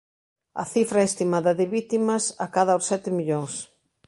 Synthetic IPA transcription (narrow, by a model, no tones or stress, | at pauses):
ɐ̰θifɾɐest̪imaðɐðɪβit̪imɐsɐkaðɐosɛt̪ɪmiʎoŋs